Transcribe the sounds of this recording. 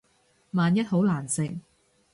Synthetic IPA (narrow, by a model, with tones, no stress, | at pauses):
maː˨njɐ˥t̚ho˨˥wlaː˨˩nsɪ˨ŋ̚